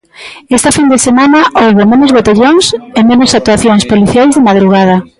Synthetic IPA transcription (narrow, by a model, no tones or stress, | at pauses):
est̪ɐfind̪esemãnɐʔowβemenozβot̪eʎoŋsemẽnosak̚t̪uaθjoŋspoliθjajzðemaðɾuɣað̞ɐ